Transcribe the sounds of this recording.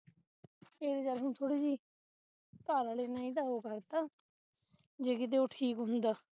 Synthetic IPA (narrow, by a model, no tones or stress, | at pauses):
eːɾeːd͡ʒəɾɦʊ̃nt̪ʰoːɽiːd͡ʒiː | paːɾaːleːnãːɪd̪aːɦoːkəɾt̪aː | d͡ʒeːkɪt̪̬eːoːʈʰiːkɦʊ̃nd̪aː